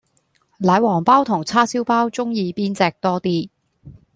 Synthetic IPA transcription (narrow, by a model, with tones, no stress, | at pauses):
laː˨˧˥jwɔː˨˩ŋpaː˥wt̪ʰʊ˨˩ŋt͡sʰaː˥siː˥wpaː˥wt͡sʊ˥ŋjiː˧piː˥nt͡sɛː˧k̚t̪ɔː˥t̪iː˥